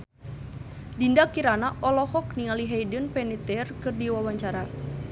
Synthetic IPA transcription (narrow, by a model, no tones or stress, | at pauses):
dindakiɾanaʔɔlɔhɔknialiɦɛjdənpɛnit̪ɛrkɨrdiwawaɲt͡ʃaɾa